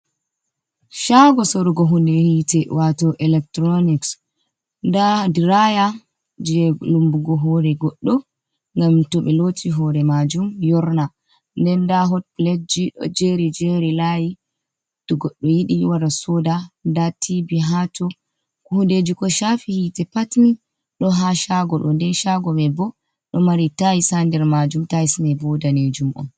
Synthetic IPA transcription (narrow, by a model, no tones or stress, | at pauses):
ʃaɡɔsoɾuɡɔɦundehitɛwatɔʔɛlɛk̚tɾɔniks | ndadiɾaja | d͡ʒɛlumbuɡɔɦɔɾɛɡɔɗːɔ | ŋɡamtɔɓɛlotʰiɦɔɾɛmad͡ʒumjɔɾna | ndɛndaɦɔpled͡ʒiɗɔ̰d͡ʒeɾid͡ʒeɾilaji | tɔɡɔɗːɔjiɗiwadasɔdandatʰibiɦatɔ | khunded͡ʒikɔʃafihitɛpatni | ɗɔɦaʃaɡɔɗɔndɛnʃaɡɔbɛbɔ | ɗɔmaɾitajisandɛɾmad͡ʒumtajisinɛbɔdaned͡ʒumʔɔ̰n